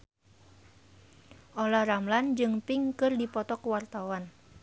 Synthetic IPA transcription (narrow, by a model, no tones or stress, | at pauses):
ʔolahramland͡ʒɨŋpiŋkɨrdipɔt̪ɔkuwart̪awan